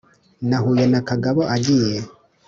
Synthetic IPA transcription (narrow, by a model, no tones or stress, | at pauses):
naɦujenakaɡaβoʔaɟije